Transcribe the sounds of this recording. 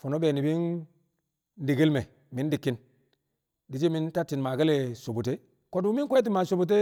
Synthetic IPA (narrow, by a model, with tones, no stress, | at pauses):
fo˨no˦be˨ni˨bi˦n˦ | di˨ɡi˦lme˨ | mi˦n˦di˨kːi˦n | di˨˦t͡ʃi˦mi˦nta˦tːi˨nma˨ke˦le˨so˨bu˨te˦ | ko˦du˨˦mi˦nkʷe˦t̬i˦ma˨so˨bu˨t̬e˦